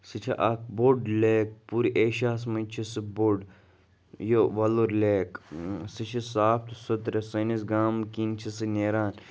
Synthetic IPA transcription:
sɨt͡ʃʰɐ̰ʔɐk̚boɖleːk̚puɾiʔeːʃaːs̬mɐt͡ʃʰisɨboɖ | joʋɐluɾleːksit͡ʃʰɐsaːft̪sɐt̪ɾɐsɐnisɡaːmkint͡ʃʰɐsɨneːɾaːn

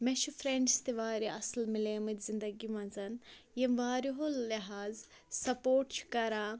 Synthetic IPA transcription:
mɛʃufɾeɳst̪iʋaːɾiɐslmileːmɨt̪ʲzind̪ɐɡimɐ̃nzɐn | jɐmʋaːɾiɦolːiɦaːz | sɐpoːʈt͡ʃʰkɐɾaː

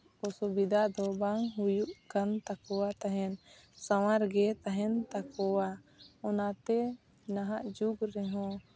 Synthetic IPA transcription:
ɔsubid̪ad̪ɔbaŋɦujuʔkant̪akɔwat̪aɦɛn | sawaɾɡɛt̪aɦɛnt̪akɔwaɔnat̪ɛ | naɦaʔd͡ʒuɡɾɛɦɔ̃

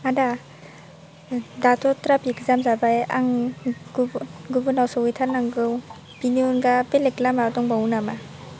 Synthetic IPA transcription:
ada | datʰɔtɾapikzamzabaja̰ŋɡɡubɯnawsɔwijtʰaɾnaŋɡɯw | piniunɡapeleklamadɔŋbawnama

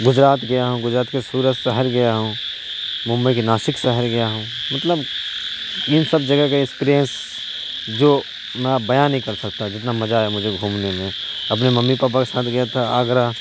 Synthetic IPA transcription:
ɡʊd͡ʒɾaːt̪ɡɐjaɦũɡʊd͡ʒɾaːt̪kesuːɾət̪sɛɦəɾɡɐjaɦũ | mʊ̃mbəikenaːsɪksɛɦəɾɡɐjaɦũmɐt̪ləb | ɪnsəbd͡ʒɐɡəkaɪkspiːɾijə̃ns | d͡ʒoː | mɛ̃bɐjaːnːəɦĩkɐɾsɐkt̪ad͡ʒɪt̪namɐd͡ʒaɦɛmʊd͡ʒʱeɡʱuːmnemẽɐp̬nemɐmːipaːp̬akesaːt̪ʰɡɐjat̪ʰaaːɡɾa

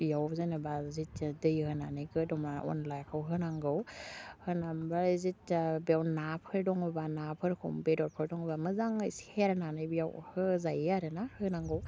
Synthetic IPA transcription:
jawzɯnɯbazitdɯjhɯnanɯjɡɯdɔmaʔɔ̰nlajakʰɯwɦɯnaŋɡɯwhɯnambaɾzitbewnapʰɯɾdɔŋɯbanapʰɯɾkʰɔ̰mbedɔɾpʰɯɾdɔŋɯbamɯzaŋɯsheɾnanɯjbjawhɯzajaɾɯnahɯnaŋɡɯw

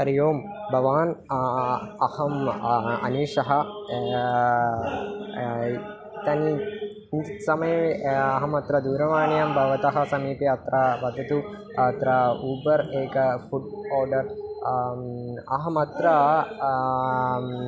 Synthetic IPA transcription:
ɐɾijoːm | bʱɐʋaːn | ɐhɐmɐ̰niːʂɐɦɐ | it̪ɐni | nsɐmɐjɐʋeɐɦɐmɐt̪ɾɐd̪uːɾɐʋaːɳjɐmbʱɐʋɐt̪ɐɦɐsɐmiːpiɐt̪ɾɐʋɐd̪ɐt̪u | ɐt̪ɾɐuːbɐɾeːkɐfuɖɔːɾɖɐɾ | ɐ̰ɦɐmɐt̪ɾɐ

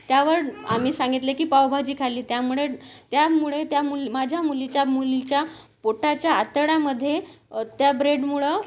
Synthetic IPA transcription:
t̪jaʋəɾam̤iːsãŋɡit̪lekiːpawbʱad͡ʑiːkʰaliːt̪jamuɭet̪jamuɭet̪jamulmad͡ʑʱjamulit͡ɕjamulit͡ɕjapoʈat͡ɕjaːt̪əɽaməd̪ʱːjet̪jabɾeɖmuɭə

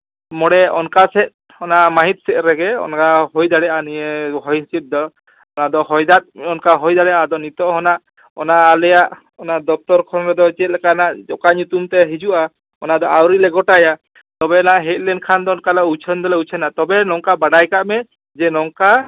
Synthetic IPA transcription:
mɔɽɛɔnkasɛt̪̚ | ɔnaʔmaɦit̪̚sɛʔ̪̚ɾɛɡɛɔ̰nkaɦojd̪aɽɛʔanijɛɦɔnsit̪̚ˀd̪ɔ | ɔnad̪ɔhɔjd̪at̪̚ɔnkaɦɔjd̪aɽɛad̪ɔnit̪ɔɦɔnaʔ | ɔ̰naʔalɛjaʔ | ɔnaʔd̪ɔk̚t̪ɔɾkʰɔnɾɛd̪ɔt͡ʃɛt̪̚lɛkanaʔd͡ʒɔkaɲut̪umt̪ɛɦid͡ʒuʔa | ɔnad̪ɔʔawɾilɛɡɔʈaja | t̪ɔbɛɔnaʔɦɛt̪̚ˀlɛnkʰand̪ɔɔnkalaut͡ʃʰənd̪ɔlɛut͡ʃʰɛnat̪ɔbɛnɔŋkabaɽajkaʔmɛ | d͡ʒɛnɔŋka

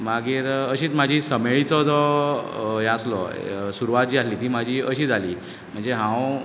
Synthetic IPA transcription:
maɡiːɾəɕiːt͡smad͡ʑʱiːsəmeɭit͡sɔd͡zɔ | jɛ̃aslɔsuɾuʋat̪̚d͡ʑiːat̪liːt̪iːmad͡ʑʱiːəɕiːd͡zʱaliː | m̤əɳd͡zeɦãw

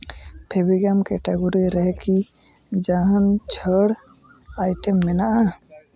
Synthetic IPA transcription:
pʰebiɡamkɛʈeɡoɾiɾɛɦɛki | d͡ʒaɦant͡ʃʰəɾ | ajʈɛmːɛnaʔa

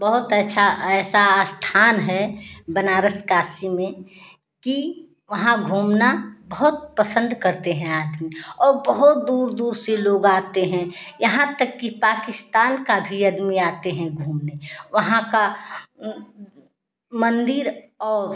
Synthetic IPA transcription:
bɐɦʊt̪ɛʃʰaɛːsaːst̪ʰaːnɦɛbɐnaːɾəskaːsimẽ | ki | ʋɐɦãɡʱuːmnabɐɦʊt̪̚pəsə̃nd̪ʱkɐɾt̪eɦɛ̃aːd̪miɔːɾbəɦʊt̪̚d̪uːɾd̪uːɾseloːɡaːt̪eɦɛ̃jɐɦãt̪əkːipaːkɪst̪aːnkabʱiɐd̪miaːt̪eɦɛ̃ɡʱuːmneʋɐɦãka | mə̃nd̪ɪɾ | ɔːɾ

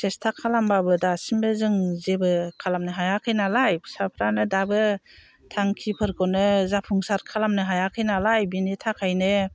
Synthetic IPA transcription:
sestʰakʰːalambabɯdasimbɯzɯŋzebɯkʰalamnɯɦajakʰɯjnalajsapʰɾanɯdabɯ | tʰaŋkʰipʰɯɾkʰɔnɯzapʰuŋsaɾkʰalamnɯɦajakʰɯjnalajbinitʰakʰajnɯ

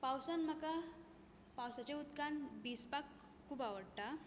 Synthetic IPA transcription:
pawsanm̤əka | pawsat͡ɕeud̪kanbispakːʰ | uːbaʋəɽt̪a

